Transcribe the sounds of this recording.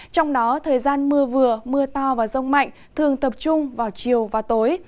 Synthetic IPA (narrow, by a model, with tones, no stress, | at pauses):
t͡ɕɔ˧wŋ͡mɗɔ˨˦t̪ʰəː˨˩jzaː˧nmɨ˧əvɨ˨˩əmɨ˧ət̪ɔ˧vaː˨˩zə˧wŋ͡mma̰˧˨jŋ̟t̪ʰɨ˨˩əŋt̪ə˨˩p̚t͡ɕʊ˧ŋ͡mvaː˨˩wt͡ɕi˨˩əwvaː˨˩t̪o˨˦j